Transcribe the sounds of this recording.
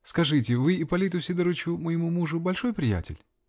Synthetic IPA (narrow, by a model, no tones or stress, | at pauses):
skɐʐɨtʲɪvɨɪpɐlʲit̪ʊsʲɪd̪əɾɨt͡ɕʊməjɪmumuʐʊbɐlʲʂo̞jpɾʲɪjæ̰tʲɪ̰lʲ